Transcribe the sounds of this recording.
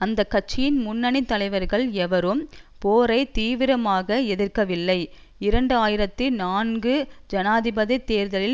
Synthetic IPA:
ɐnd̪ɐkːɐt͡ʃːɪjɪnmʊnːɐnit̪ːɐlɐɪʋɐɾɣɐɭɛʋɐɾɯmpoːɾɐɪt̪iːʋɪɾɐmaːɣɐɛðɪɾkɐʋɪlːɐɪ | ɪɾɐɳɖɯaːjɪɾɐt̪ːɯnaːnɡɯd͡ʒɐnaːðɪbɐðit̪ːeːɾðɐlɪ

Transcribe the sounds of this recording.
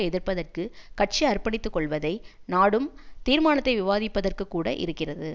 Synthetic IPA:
ɛðɪrpɐðɐrkɯkɐʈ̚t͡ʃiɐrpɐɳɪt̪ːɯkːɔɭʋɐðɐɪnaːɽɯmt̪iːɾmaːɳɐt̪ːɐɪʋɪʋaːðɪpːɐðɐrkɯkːuːɽɐ̰ʔɪ̰ɾɯkːɪrɐðɯ

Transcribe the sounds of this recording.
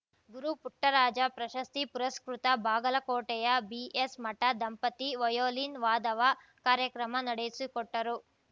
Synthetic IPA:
ɡuɾupuʈːɐɾaːd͡ʒɐpɾɐʃɐst̪ipuɾɐskɾut̪ɐbʱaːɡɐlɐkoːʈɛjɐbiʔesmɐʈɐd̪ɐmpɐt̪iʋɐjoːlinʋaːd̪ɐʋɐ | kaːɾjɐkɾɐmɐnɐɽejisikɔʈːɐɾu

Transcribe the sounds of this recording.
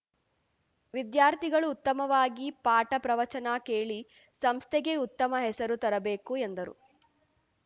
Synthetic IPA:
ʋid̪jaːɾt̪ʰiɡɐɭuːt̪ːɐmɐʋaːɡipaːʈɐpɾɐʋɐt͡ʃɐnakeːɭi | sɐmst̪ʰɛɡe̞ut̪ːɐmɐɦɛsɐɾut̪ɐɾɐbeːkuend̪ɐɾṵ

